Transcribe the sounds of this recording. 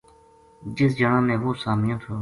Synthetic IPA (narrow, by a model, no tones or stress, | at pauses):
d͡ʒɪs̬d͡ʒənãːmẽːʋoːsaːmɪjõːt̪ʰoː